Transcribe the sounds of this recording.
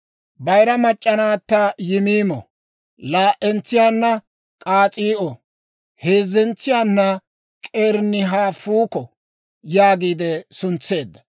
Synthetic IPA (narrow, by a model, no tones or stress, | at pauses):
bɐjɾɐmɐt͡ʃʼːɐnaːt̪ːɐjɪmiːmɔ̰ | laːʔɛnt͡sːɪjaːnːɐ | kʼaːt͡sʼiːʔɔ | heːzːɛnt͡sːɪjaːnːɐ | kʼeːɾnːɪɦaːfuːkɔ | jaːɡiːd̪ɛsʊnt͡sːe̞ːd̪ːɐ̥